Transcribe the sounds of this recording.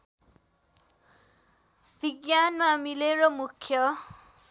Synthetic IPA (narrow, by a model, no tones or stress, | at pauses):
bʱiɡjanmamileɾʌmukʰjʌ